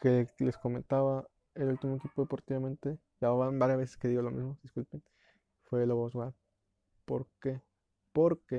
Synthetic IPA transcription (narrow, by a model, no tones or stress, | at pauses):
keleskomẽnt̪aβa | elult̪imoekipo̞ðe̞po̞ɾt̪iβamẽnt̪e̞ | ʝaβanbaɾjazβes̬eskeðiɣo̞lomizmoðiskulpen | fweloβozwa | poɾke | poɾke